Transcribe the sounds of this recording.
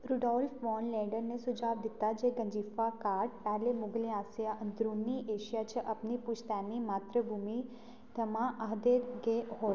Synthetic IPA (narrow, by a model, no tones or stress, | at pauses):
ɾuɖɔlfʋɔnlẽɖəɾnesud͡ʒaʋd̪it̪ad͡ʒeɡəɲd͡ʒifakaɾʈ̚pɛɦlemʊɡleasjad̪ɾunːiʔeːʃijat͡ʃʰəʔəpnipuʃt̪animaːt̪ɾəbʱumi | d̪əmãʔaɦd̪eɾɡeɦo